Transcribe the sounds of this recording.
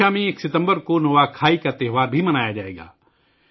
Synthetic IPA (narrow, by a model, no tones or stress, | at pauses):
amẽeːksɪt̪ə̃mbəɾkonoʋaːkʰaːikat̪ɛːɦʋaːɾbʱimɐnaːjad͡ʒaːḛːɡa̰ː